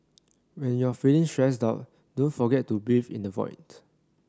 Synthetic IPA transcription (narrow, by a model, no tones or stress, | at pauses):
wɛ̃njuafilĩŋstɹɛs̬daʊt̚ | dõnfɔɡɛtːubivḭ̃ndəvɔ̰ɪnt